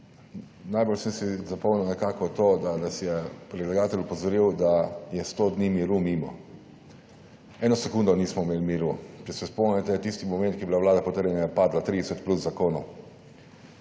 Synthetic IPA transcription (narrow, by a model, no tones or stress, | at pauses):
najbɔlsɛmsizapɔwniwnɛkaːkɔt̪oːd̪anasjɛpɾɛd̪laɡaːt̪ɛlupɔzɔɾiwd̪ajɛst̪od̪nimiɾumiːmɔ̰ | ɛːnɔsɛkuːnd̪ɔniːsmɔimeːlmiɾut͡ʃɛsɛspɔnɛt̪ɛt̪ist̪imɔmɛ̃nt̪kibilaʋlaːd̪apɔt̪əɾjɛnajɛpaːd̪lat̪ɾiːd̪ɛsɛt̪pluszakoːnɔw